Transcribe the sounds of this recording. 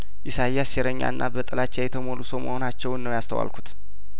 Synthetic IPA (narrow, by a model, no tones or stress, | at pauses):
ʔɪsajːasjɛɾəɲːa̰nːa̰bət̪ʼəlat͡ʃːajɛt̪ʰəmo̞lusomə̰ho̞nat͡ʃːɛwnːəwjast̪ʰəwa̰lkʰut̪